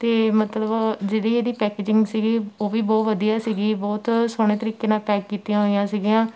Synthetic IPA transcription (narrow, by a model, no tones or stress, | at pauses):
t̪eːmət̪ləbd͡ʒeːɽiːeːd̪iːpɛːkeːd͡ʒɪ̃ŋɡsiːɡiːoːʋiːbɔːt̪ʋəd̪ijaːsiːɡiːbɔːt̪soːɽ̃eːt̪əɾiːkːeːnaːlpɛːkːiːt̪ijãːɦoːijãːsiːɡijãː